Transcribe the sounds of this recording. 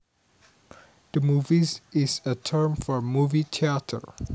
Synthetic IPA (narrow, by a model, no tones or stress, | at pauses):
d̥əmuvizɪzətʰɜ˞mfɔmuvitʰiatʰə̰˞